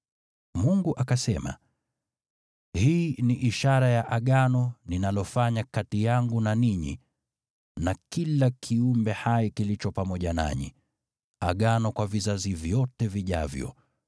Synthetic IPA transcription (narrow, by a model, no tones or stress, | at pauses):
muŋɡuʔakasɛma̰ | hiːniʔiʃaɾajaʔaɠanɔninalɔfaɲakatijaŋɡunaniɲḭ | nakilakʰiumbɛhajikilit͡ʃɔpamɔʄana̰ɲḭ | aɠanɔkwavizazivjɔtɛviʄa̰vjɔ̰